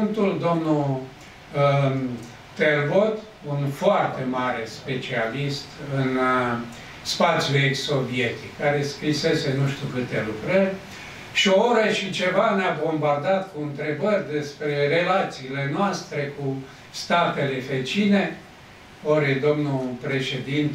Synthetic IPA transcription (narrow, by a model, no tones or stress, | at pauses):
nt̪uld̪o̞mnu | t̪ervot̪ | unfoart̪e̞maɾe̞spe̞t͡ʃialist̪ɨn | spat̪sʲjuekso̞vie̞t̪ikːaɾe̞skɾise̞se̞nuʃt̪ʲukɨt̪e̞lukɾərʲ | ʃiooɾəʃit͡ʃe̞vaneabo̞mbard̪at̪kuɨnt̪ɾe̞bərʲd̪e̞spɾe̞re̞lat̪siːle̞noast̪ɾe̞ku | st̪at̪ele̞fet͡ʃine̞ | oɾed̪o̞mnupɾe̞ʃe̞d̪int̪